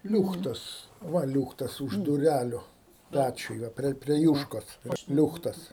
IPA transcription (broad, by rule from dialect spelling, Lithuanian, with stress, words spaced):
ˈlʲuːxtɐs ˈʋɐ ˈlʲuːxtɐs ʊʃ dʊˈrʲælʲʊ ˈpʲæt͡ʃʲʊj ˈʋɐ pʲrʲiɛ pʲrʲiɛ ˈjuːʃkoːs ˈlʲuːxtɐs